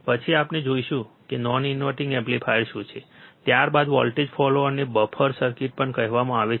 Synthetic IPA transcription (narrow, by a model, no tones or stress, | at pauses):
pət͡ʃʰiapned͡ʒoiʃũkenɔninʋəʈɪ̃ŋɡeblipʰajɾʃũt͡ʃʰet̪jaɾbad̪ʋɔ̰lʈed͡ʒfʰɔloəɾnebəpʰəɾsəɾkɪʈ̚pəɳkəɦʋamãaʋe